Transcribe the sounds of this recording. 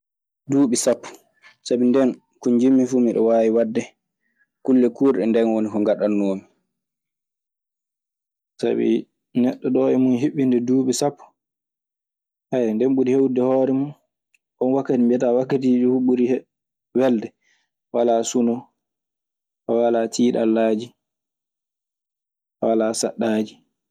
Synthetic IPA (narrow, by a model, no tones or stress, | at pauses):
duːɓisapːu̥ | sabindɛn | kuɲd͡ʒimːifuːmiɗɔ̰waːjiwadːɛ | kulːɛkuːɾɗɛndɛnwonikɔŋɡaɗanːoːmi | sa̰bḭ | nɛɗːɔɗɔɛmunɦiɓːindɛduːɓisapːu̥ | hajndɛmɓuɾihewdɛhɔːɾɛmun | ʔɔnwakːatimbɛtawakːatiːd͡ʒuhɓuɾih | wɛldɛ | walasunɔ | kɔwalatʰiːɗa̰lːaːd͡ʒi | walasaɗːaːd͡ʒi